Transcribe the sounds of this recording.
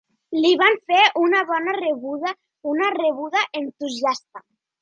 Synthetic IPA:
liβaɱfeʔunaβɔnareβuða | unareβ̞uðaʔent̪uziast̪a

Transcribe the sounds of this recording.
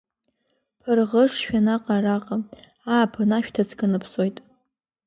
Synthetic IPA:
pʰarʁəʂʃᶣanaqʼaraqʼa | aːpʰanaʃᶣtʰat͡sʰɡanɨpʰso̞jtʼ

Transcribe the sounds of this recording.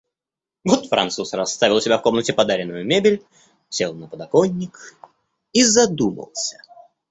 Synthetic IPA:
vɔt̪fɾʔɐ̰nt̪susrɐst̪avʲɪlˠsʲɪbʲafko̞mnətʲɪpɐd̪aɾʲɪnːʊjʊmʲebʲɪlʲ | sʲelˠnəpəd̪ɐkonʲːɪk | izɐd̪umə̰lˠsʲə̥

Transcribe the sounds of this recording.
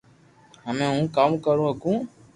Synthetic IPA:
ɦəmẽːɦũːkaːmkəɾũːɦəkũː

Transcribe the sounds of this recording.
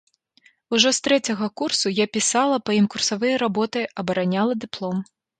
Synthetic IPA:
uʐɔst̪ɾɛt͡sʲɐɣɐkursujapʲisalˠɐpɐimkursavɨjɐɾabɔt̪ɐjɐbɐɾanʲalˠɐd̪ɨplˠɔm

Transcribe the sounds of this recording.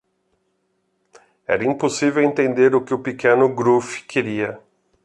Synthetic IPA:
ɛ̰ɾɐĩmposivewẽnt̪ẽnd̪eɾʊkɪʊpikẽnʊɡɾufɪ̥kʰeɾiɐ

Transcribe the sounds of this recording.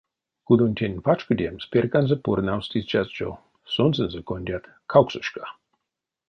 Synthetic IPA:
kud̪onʲt̪ʰʲenʲpat͡ʃkədʲemspʲerkanzəpurnawst̪ist͡ʃazt͡ʃo̰ | sonzənzəkonʲdʲat̪ | kʰawksəʃka

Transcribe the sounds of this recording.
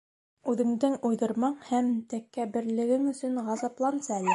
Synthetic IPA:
ʉðɘ̆ŋd̪ɘŋujðɤ̆ɾmɑɴhæmt̪ækːæbɘ̆ɾlɘ̆ɡɘŋɵ̆sɵŋʁɑzɑplˠɑnsɑælɘ

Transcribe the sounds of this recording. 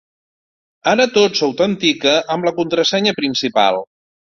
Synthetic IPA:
aɾət̪osowt̪ənt̪ikəʔəmləkunt̪ɾəsɛɲəpɾinsipa̰lˠ

